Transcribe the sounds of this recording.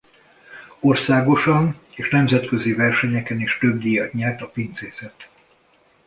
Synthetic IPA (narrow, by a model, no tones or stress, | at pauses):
o̞rsaːɡo̞ʃɒn | eːʃnɛmzɛt̪køzivɛrʃɛɲɛkɛniʃt̪øbd̪ijɒɲɛrt̪ɒpint̪seːsɛt̪